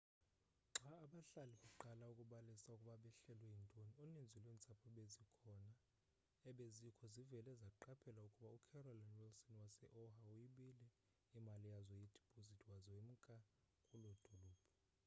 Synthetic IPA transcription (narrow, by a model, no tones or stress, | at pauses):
ŋ͡ǁaːɓaɬaliɓaǃalaukʼuɓalisaukʼuɓaɓɛɬɛlwɛjintʼonionind͡zʱilweːnt͡sʼapʰɔɓezikʰɔna | ɛɓezikʰɔzivɛlɛzaǃapʰɛlaukʼuɓaukʰɛrɔlanwilsɔnwasɛʔɔhaujiɓilɛ | imalijazɔjid̥ʱi̥pʰʼozitʼʰwazɔwem̩kʼa | kʼulod̥ʱuluːb̥ʰʼʱɔ